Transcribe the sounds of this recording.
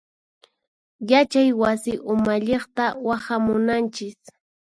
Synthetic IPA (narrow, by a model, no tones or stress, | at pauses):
jat͡ʃajwasɪʔʊmaʎeχt̪awaχamʊnant͡ʃɪs